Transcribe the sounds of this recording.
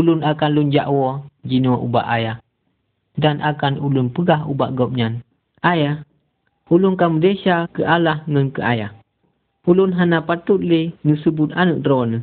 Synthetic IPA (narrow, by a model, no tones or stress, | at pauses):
ulʊnakanlund͡ʒaʔwɔd͡ʒinɔʔuba̰ʔajah | danʔakanʔulunpəɡaɦṵbaʔɡɔp̚ɲan | ʔajah | ulʊnkamudesakəʔalahŋɔnkəʔajah | ulʊnɦanapat̪ʊt̪̚lenəsəbʊt̪̚anəʔdɾɔnə